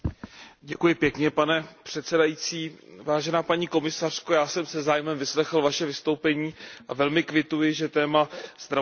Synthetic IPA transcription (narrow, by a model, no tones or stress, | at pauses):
ɟɛkujɪpjɛkɲɛpanɛpr̝̥ɛt̪sɛdajiːt͡siːvaːʒɛnaːpaɲiːko̞mɪsar̝̥kojaːsɛmsɛzaːjmɛmvɪslɛxl̩vaʃɛvɪst̪o̞wpɛɲiːʔavɛlmɪkvɪt̪ujɪʒɛt̪ɛːmazd̪ɾa